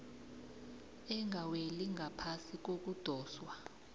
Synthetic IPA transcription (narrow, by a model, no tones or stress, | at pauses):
ɛŋʱaweliŋɡʱapʰasik̬ok̬ud̥ʱɔːswa